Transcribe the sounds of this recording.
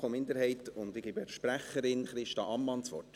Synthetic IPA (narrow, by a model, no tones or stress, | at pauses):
omɪnd̪əɾhɛɪt̪ʊnd̪ɪɡ̥ɪbɛɾʃpɾæχəɾɪnχɾɪʃtɑʔɑmːɑnt͡sʋɔ̰rt